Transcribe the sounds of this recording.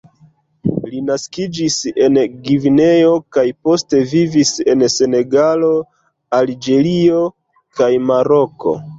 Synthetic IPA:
linaskid͡ʒise̞nɡivine̞o̞kajpo̞ste̞vivise̞nse̞ne̞ɡalo̞ | ald͡ʒe̞lio̞ | kajmaɾo̞ko̞̰

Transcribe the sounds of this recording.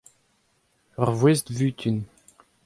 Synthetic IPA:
ɔʁvwest̪vyːt̪ʰyn

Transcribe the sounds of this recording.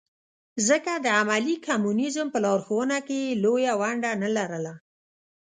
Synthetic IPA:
zəkad̪əamalikʰamunizəmpəlɑɾxowənakejlojawaɳɖanalaɾəla

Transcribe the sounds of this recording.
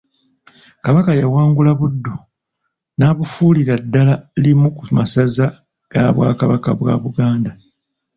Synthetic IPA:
kaβakajawaːŋɡulaβudːo | naːβufuːliɾadːalalimukumasaza | ɡ̥aβwa̰ːkaβakaβwa̰ːβuɡaːnda

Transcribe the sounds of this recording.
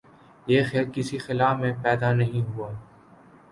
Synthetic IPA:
jeːxɛːlkɪsixɪlaːfmẽːpɛːd̪aːnəɦĩɦuaː

